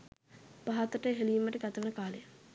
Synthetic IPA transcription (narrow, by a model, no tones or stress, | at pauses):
b̥aɦat̪əʈəɦeliːməʈəɡat̪əʋənəkaːlejə